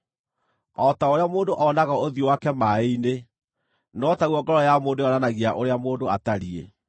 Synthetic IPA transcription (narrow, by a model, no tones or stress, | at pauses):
ɔtaoɾeamoːndoʔɔnaɣaoðiowakɛmaeine | nɔtaɣuɔŋɡɔɾɔjamoːndojɔnanaɣeaʔoɾeamoːndoataɾiḛ